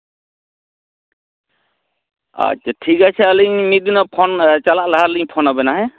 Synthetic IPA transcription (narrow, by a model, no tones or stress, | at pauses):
a̰t͡ʃːʈʰikat͡ʃʰɛːliɲmid̪inɔpʰɔnt͡ʃalaʔlaɦaɾliɲpʰɔnɔbɛnaɦɛ